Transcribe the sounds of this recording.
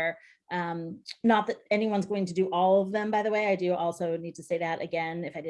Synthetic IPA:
ʔʌ̃mnət̪̚ðɨɾɛniwʌ̃nzɡoʊɪ̃ŋtʰɨdɨʔɔlˠʌvðə̃mbaɪðəweɪaɪdɨʔɔlˠsoʊnid̚tʰɨseɪðɨɾɨ̰ɡɛ̃nɨfaɪdɨ

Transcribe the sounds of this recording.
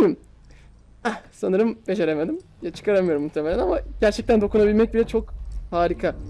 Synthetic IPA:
jim | ɛsanɯɾɯmbe̞d͡ʒe̞ɾemed̪im | jat͡ʃʰɯ̥kʰaɾamɯjo̞ɾumːuxt̪ʰeme̞lʲænamaɟæɾt͡ʃʰɛc̚t̪ænd̪o̞kunabilʲmɛc̚bilʲɛt͡ʃʰo̞khaːɾikʰa

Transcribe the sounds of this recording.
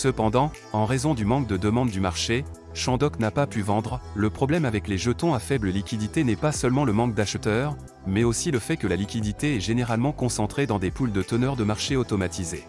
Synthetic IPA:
səpɑ̃d̪ɑ̃ | ɑ̃ʁezɔ̃d̪ymɑ̃k̚d̪əd̪əmɑ̃d̪ːymaʁʃe | ʃɑ̃d̪ɔknapapyvɑ̃d̪ʁləpχɔblɛmavɛkleʒət̪ɔ̃afɛbləlikʲid̪it̪enɛpasəlmɑ̃ləmɑ̃k̚d̪aʃt̪œʁ | mɛosiləfɛkəlalikʲid̪it̪eɛʒeneʁalmɑ̃kɔ̃sɑ̃t̪χed̪ɑ̃d̪epuld̪ət̪ənœʁd̪əmaʁʃeot̪ɔmat̪ʰize

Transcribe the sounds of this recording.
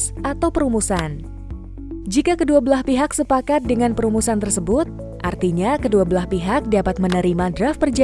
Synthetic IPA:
sʔat̪awpəɾumusan | d͡ʒikakəduabəlaspiɦaksəpakat̪̚dəŋanpəɾumusant̪ərsəbʊt̪̚ | ʔa̰rt̪iɲakəduabəlahpiɦak̚dapat̪̚mənəɾimadɾafpərd͡ʒa

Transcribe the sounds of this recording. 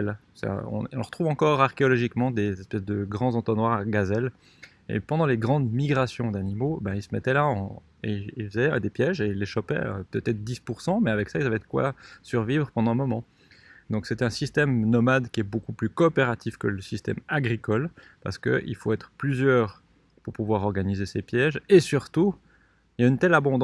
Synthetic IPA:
l | sɛ̰ɔ̰̃ɔ̃lʁət̪χuvɑ̃kɔʁaʁkʲeɔlɔʒikmɑ̃d̪ezɛspɛsd̪əɡʁɑ̃zɑ̃t̪ɔnwaʁaɡazɛl | ḛpɑ̃d̪ɑ̃leɡʁɑ̃d̪miɡʁasjɔ̃d̪animobɛ̃ilsəmɛt̪ɛlaɑ̃ | eilfəzɛa̰d̪epjɛʒeilːeʃɔpɛ̰ø̰t̪ɛt̪ɛt̪χd̪ispuʁsɑ̃mɛavɛksailzavɛd̪əkwa̰syʁvivʁəpɑ̃d̪ɑ̃mɔmɑ̃ | d̪ɔ̃ksɛt̪ɛ̃sist̪ɛmnɔmad̪kʲiɛbokuplykɔːpeʁat̪ifkələsist̪ɛ̰maɡʁikɔlpaʁsə̥kə̰ʔḭlfoɛt̪χəplyzjœːʁ | puʁpuvwaʁɔʁɡanizesepjɛʒesyʁt̪u | iljaynt̪ɛlabɔ̃d̪̃

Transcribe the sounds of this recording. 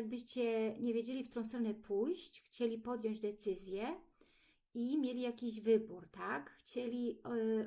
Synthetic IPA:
aɡ̚bɘɕt͡ɕɛɲɛvʲjed͡ʑelʲift̪uɾɔ̃w̃st̪ɾɔnɛpʰujɕt͡ɕxt͡ɕelʲipɔd̪jɔ̃ɲd͡ʑd̪ɛt̪sɘzʲjɛ | imʲjelʲijakʲiʑvɘbuɾt̪akxt͡ɕelʲi

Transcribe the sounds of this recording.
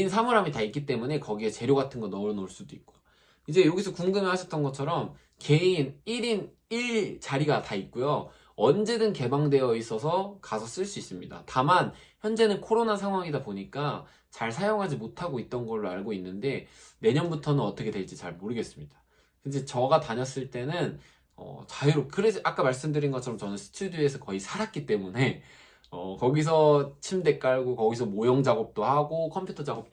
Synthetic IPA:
insʰamuɾɦamitaik͈it͈e̞mune̞kʌɡiet͡ɕe̞ɾjoɡatʰɯnɡʌnʌɾnoɭs͈udoik̚k͈ojo | id͡ʑe̞joɡisʰʌkuŋɡɯmeɭɦaɕʰʌt͈ʌnɡʌt͡ɕʰʌɾʌm | ke̞iniɾin | iɭt͡ɕaɾiɡatait̚k͈ujo | ʌnd͡ʑe̞dɯnke̞baŋde̞jʌis͈ʌsʰʌkasʰʌs͈ɯɭs͈uis͈ɯmɲida̰tamançjʌnd͡ʑe̞nɯnkʰoɾonasʰaŋɦwaŋidapoɲik͈a | t͡ɕaɭsʰajoŋɦad͡ʑimotʰaɡoit̚t͈ʌnɡʌɭːoaɭɡoinːɯnde̞ne̞ɲʌnbutʰʌnɯnʌt͈ʌkʰe̞dwe̞ɭt͡ɕ͈it͡ɕaɭmoɾɯɡe̞s͈ɯmɲid̥ḁ | kɯnd͡ʑet͡ɕʌɡataɲʌs͈ɯɭt͈e̞nɯn | ʌ̰t͡ɕaiɾokɯɾeʔak͈amaɭs͈ɯmdɯɾinɡʌt͡ɕʰʌɾʌmt͡ɕʌnɯnsʰɯ̥tʰudjoe̞sʰʌkʌisʰaɾak͈it͈e̞mune̞ | ʌkʌɡis̬ʰʌt͡ɕʰimde̞k͈aɭɡokʌɡisʰʌmojʌŋd͡ʑaɡʌp̚t͈ohaɡokʰʌmpʰjutʰʌd͡ʑaɡop̚t͈o

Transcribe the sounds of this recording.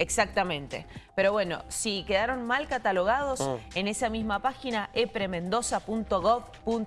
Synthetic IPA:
eksak̚t̪amẽ̞nt̪e̞̰pe̞ɾo̞βwe̞no̞̰sike̞ðaɾo̞nmalkat̪alo̞ɣaðo̞se̞ne̞samizmapaxinaʔepɾe̞mẽ̞nd̪o̞sapunt̪o̞ɣoβpun

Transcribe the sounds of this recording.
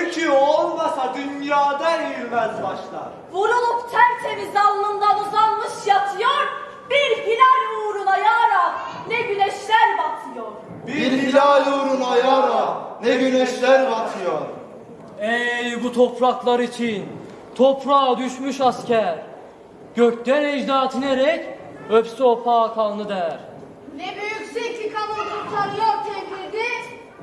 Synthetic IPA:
ycʰyolˠmasad̪ynjaːd̪ayjmæzbaʃlˠa̰ɾ | vuɾulˠupt̪ʰæɾt͡ʃʰemizalˠːɯnd̪auzalˠmɯʃjat̪ʰɯjoɾ | biɾhilʲaɾjuːɾunajaːɾanɛbilɛʃlʲæɾbat̪ʰɯjoɾ̥ | biiɾhilajuːɾunajaɾanɛbilɛʃlʲæɾbat̪ʰɯjoɾ | ejbut̪ʰo̞pʰɾaklˠaɾit͡ʃʰin | t̪ʰopɾaːd̪yʃmyʃascʰæɾ | ɟ̥øct̪ænɛd͡ʒd̪aːt̪ʰɯneɾɛc | øpsyo̞pʰaːkʰalˠnɯd̪æɾ̥ | nɛbyjyksekikʰalˠoɾt̪ʰut̪ʰaɾɯjok̚t̪ʰekilʲd̪ɪ

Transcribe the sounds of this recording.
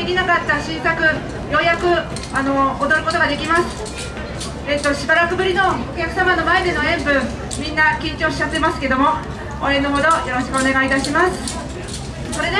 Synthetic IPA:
ekʲinakat̪ːaɕĩɰ̃sakɯ̟ | jo̞jakɯ̟ | ano̞ːd̪o̞ɾɯ̟ko̞t̪o̞ɡad̪e̞kʲimasɨ̥ | eːt̪ːo̞ɕibaɾakɯ̟bɯ̟ɾʲino̞okʲakɯ̟̥samano̞mae̞d̪e̞noẽ̞mbɯ̟̃ | mʲĩnːakʲĩɲ̟t͡ɕo̞ːɕi̥t͡ɕat̪ːe̞masɨ̥ke̞d̪o̞mo̞ | õẽ̞nːoɦo̞d̪o̞jo̞ɾo̞ɕi̥kɯ̟one̞ɡait̪aɕimasɨ̥ | so̞ɾe̞d̪

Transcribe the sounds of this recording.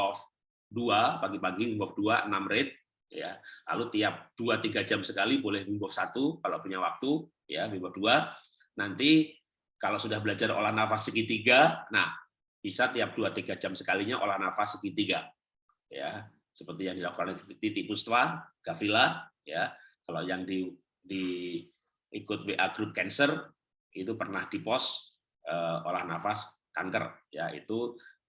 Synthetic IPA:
ɔf | duapaɡipaɡimmbɔfduaənamɾɪt̪̚ | ja̰la̰lut̪iap̚d̥uat̪iɡad͡ʒamsəkalibolɛhbimbɔfsat̪ukalopuɲawak̚t̪u | jabimbɔfdua | nant̪i | kalosudahbəlad͡ʒaro̰lahnafasəkit̪iɡanah | b̥isat̪iap̚d̥uat̪iɡad͡ʒamsəkaliɲaʔo̰lahnafasːəkit̪iɡa | ja̰ | səpərt̪ijaŋdilakukant̪it̪ipust̪waɡ̥afila | jakalajaŋdi | di | kʊt̪̚weʔaɡɾup̚kɛnsər | it̪upərnahdipɔs | ʔəolahnafas | kaŋkə̰rjaḭt̪u

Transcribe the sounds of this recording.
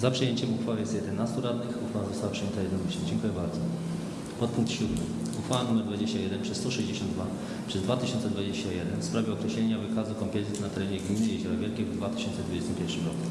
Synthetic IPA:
zapʂɨjeɲt͡ɕɛmuxfawɛjɛst̪jɛd̪ɛnast̪uɾad̪nɘxuxfawazɔst̪awapʂɨjɛnt̪ajɛd̪nɔmɘɕɛd͡ʑɛŋkujɛbaɾd̪zɔ | pɔt̪̚puŋk̚t̪ɕud̪mɘ | uxfawanumɛɾd̪vad͡ʑeɕt͡ɕajɛd̪ɛnpʂɛst̪ɔʂɛʑd͡ʑeɕɔnd̪d̪va | pʂɛzd̪vat̪ɘɕɔnt̪sɛd̪vad͡ʑeɕt͡ɕajɛd̪ɛnfspɾavʲjɛɔkɾɛɕlɛɲavɘkazukɔmpɛzʲit̪nat̪ɛɾɛɲɛɡmʲinɘjɛʑɔɾavʲjɛlkʲɛvd̪vat̪ɘ̥ɕɔnt̪sɛd̪vud͡ʑɛst̪ɘmpʲɛɾfʂɘmɾɔku̥

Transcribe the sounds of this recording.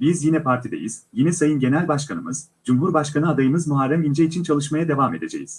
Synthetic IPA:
bizjinɛpʰaɾt̪ʰid̪ḛjiz̥jinɛsajɯnɟe̞nælʲbaʃkʰanɯmɯz̥ | d͡ʒumɦuɾbaʃkanɯad̪ajɯmɯzmuɦaɾːæmind͡ʒɛit͡ʃʰint͡ʃʰalˠɯʃmajad̪e̞vame̞d̪e̞d͡ʒḛjḭz̥

